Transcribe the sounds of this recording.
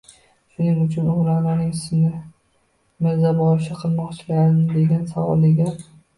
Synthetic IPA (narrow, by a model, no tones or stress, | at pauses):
ʃʊnɪŋʊt͡ʃʰʊnʊlanɪnɪŋsnɪ | mɪɾzabɒɾɪʃɪqʰɨlˠmɒqt͡ʃʰɪlaɾɪnɪd̪e̞ɡʲansavɒ̰lˠɪɡʲa